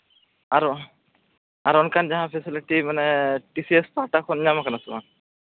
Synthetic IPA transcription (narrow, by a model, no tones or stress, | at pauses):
aɾu | aɾɔnkanzaɦãpʰɛsiliʈimanɛʈisiespaʈakʰɔniɲamakanasɛma̰n